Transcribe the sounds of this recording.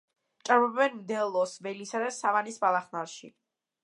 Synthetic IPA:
t͡ʃʼaɾbɔbbɛnmd̪ɛlˠɔsvɛlisad̪asavanisbalˠaχnaɾʃḭ

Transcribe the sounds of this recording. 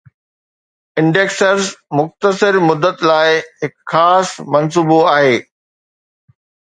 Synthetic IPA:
ɪ̃ɳɖeːksəɾzmʊxt̪əsɪɾmʊd̪ːət̪laːɪɦɪkxaːsmɐns̬uːboaːɦeː

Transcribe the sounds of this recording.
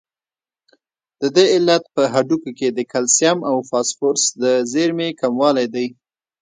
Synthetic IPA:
d̪̥əd̪eɪlːat̪̚pəɦaɖukoked̪əkalsjamawfɑsfoɾsd̪əzeɾmekamwɑlajd̪aj

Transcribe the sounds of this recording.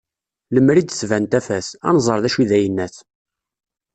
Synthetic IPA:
ləmːɾid̪svænt̪æfæsæ̰nzˤəɾˤðæʃiðæjənːæθ

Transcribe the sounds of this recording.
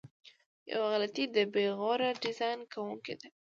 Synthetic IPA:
ja̰waɣlat̪id̪əbeɣɑɾaɖɪzɑjnkawuŋked̪e

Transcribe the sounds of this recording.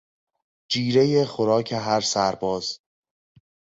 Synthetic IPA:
d͡ʒiːɾe̞jexoɾɒːcʰeɦæɾsæɾbɒːz̥

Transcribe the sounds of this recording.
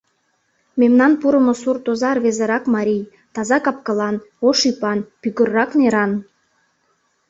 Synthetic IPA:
memnɑnpuɾəmosurt̪ozɑrβezə̆ɾɑkmɑɾʲij | t̪ɑzɑkɑp̚kəlɑnoʃipɑnpyɣə̆rːɑkneɾɑn

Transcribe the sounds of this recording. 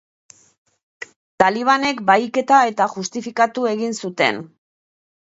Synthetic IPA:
t̪aliβ̞ane̞kbajke̞t̪ae̞t̪aχust̪ifikat̪ue̞ɣinsut̪e̞̰n

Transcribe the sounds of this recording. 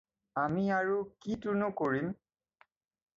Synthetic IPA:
amiaɹukitunʊkoɹim

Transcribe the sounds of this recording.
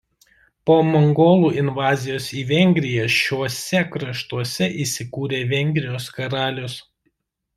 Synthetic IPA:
poːmɔŋɡoːlˠuːʔɪnʋɑːzʲɪjoːsiːʋʲɛŋʲɡʲɾʲɪjɛʃʲuɔsʲɛkɾɐʃt̪uɔsʲɛʔiːsʲɪkuːɾʲeːʋʲɛŋʲɡʲɾʲɪjoːskɐɾɑːlʲʊs

